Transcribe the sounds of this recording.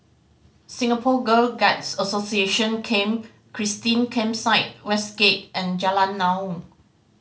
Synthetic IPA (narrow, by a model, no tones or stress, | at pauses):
sĩŋapʰɔɡəlɡatsəsosieʃə̃nkʰẽm | kʰɹistĩnkʰɛ̃msaɪt̚wɛsɡ̥et̚ɛ̃nd͡ʒalãnːã